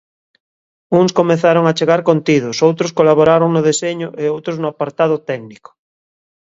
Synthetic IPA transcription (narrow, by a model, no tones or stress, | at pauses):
uŋskomeθaɾoŋat͡ʃeɣaɾkont̪iðosowt̪ɾoskolaβoɾaɾoŋnʊðeseɲʊʔeowt̪ɾoznʊapaɾt̪aðʊt̪ɛkniko̥